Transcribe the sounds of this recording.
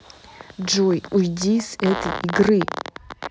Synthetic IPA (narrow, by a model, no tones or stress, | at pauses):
d͡ʒojujdʲisɛt̪əjɪɡrɨ